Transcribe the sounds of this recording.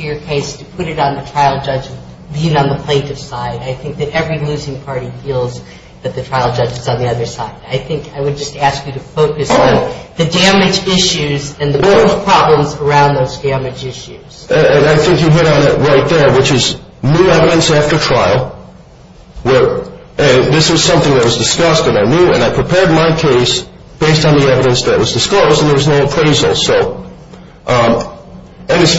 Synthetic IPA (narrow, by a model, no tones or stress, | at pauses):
ə˞kʰeɪstʰɨpʰʊɾɨɾn̩ðɨtʰɹ̥aɪl̩ˠd͡ʒʌd͡ʒɨz | biɪ̃ŋə̃nðəpʰl̥ẽɪ̃ntɨv̥saɪɾaɪθɪ̃ŋk̚ðɨɾɛvɹilʉzɪ̃ŋpʰɑɹɾifilˠz | ðɨt̪̚ðɨtʰɹ̥aɪlˠd͡ʒʌd͡ʒɨzn̩ðiʌðə˞saɪd̚aɪθɪ̃ŋkʰaɪwɨd̚d͡ʒʌstæskjɨɾɨfoʊkɨsn̩ðɨdæmɨd͡ʒɪʃʉzɨ̃nðɨboʊpʰɹ̥ɑblə̃mzə˞ãʊ̃nðoʊzdæmɨd͡ʒɪʃʉz̥ɨɨ̃naɪθɪ̃ŋkjɨɦɪɾn̩ɪʔ̚ɹaɪt̪̚ðə˞wət͡ʃɪz | nuɛvɨɾɨ̃nsæftə˞tʰɹ̥aɪl̩ˠ | wə˞ | ʔɨ̃nðɪswʌz̥sʌ̃mθɪ̃ŋðɨt̚wʌzdɨskʌst̚ɨ̃ɾaɪnjʉɨ̰̃ñaɪpʰɹ̥ɨpʰɛɹd̚maɪkʰeɪs | b̥eɪstn̩ðiɛvɨɾɨ̃nsðɨɾʔ̚wʌzdɨskloʊzd̃n̩ðə˞wʌznoʊkʰɹ̥eɪzl̩ˠsoʊ | ʔ | ɨ̃nɨs